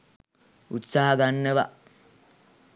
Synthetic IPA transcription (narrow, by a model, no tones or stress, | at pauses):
ut̪saɦaɡanːəʋa̰